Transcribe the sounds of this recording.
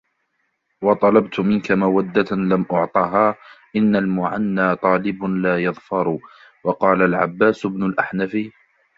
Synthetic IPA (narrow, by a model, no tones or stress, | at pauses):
wɑt̪ˤɑlɑbt̪ʊmɪnkamawad̪ːalamʔʊʕt̪ˤɑːɦaːʔɪnːalmʊʕanːaːt̪ˤɑːlɪbʊlaːjɑðfɑɾˤ | wɑqɑːlalʕa̰bːaːsʊbnʊlʔaħnafi